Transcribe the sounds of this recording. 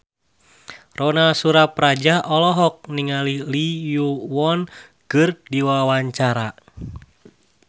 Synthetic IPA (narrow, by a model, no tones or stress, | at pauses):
rɔnasuɾaprad͡ʒaʔɔlɔɦɔk̚niŋalilijuwɔn | kɨrdiwawaɲt͡ʃaɾa